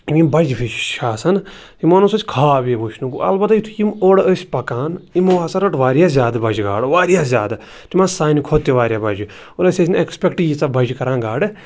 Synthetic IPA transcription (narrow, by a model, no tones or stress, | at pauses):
imibɐd͡ʒpʰit͡ʃt͡ʃʰaːsɐn | imonosɐt͡ʃʲkʰaːbibut͡ʃʰnukṵʔɐ̰lbɐt̪jit̪ʰujimoɽəsʲpɐkaːnimoaːsɐɾɐʈʋaːɾijaːzʲjaːd̪bɐd͡ʒɡa̰ːɽʋaːɾijaːzʲaːd̪ | t̪imãsaːnikʰot̪ːeʋaːɾjaːbɐd͡ʒ | oləsʲɐsʲnekspʲekʈiːd͡ʒt͡sabɐd͡ʒkɐɾãːnɡaːɽ